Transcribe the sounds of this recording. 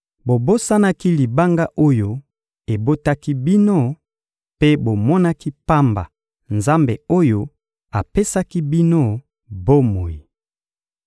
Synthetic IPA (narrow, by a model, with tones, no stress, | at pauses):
bo˨bo˦sa˦na˦ki˦li˨ba˦ŋɡa˦ʔo˦jo˦ | e˨bo˦ta˦ki˦bi˦no˦ | pe˦bo˨mɔ˦na˦ki˦pa˦mba̰˨ | nza˦mbe˨o˦jo˦ | a˨pe˦sa˦ki˦bi˦no˦ | bo˦mo˨ji˨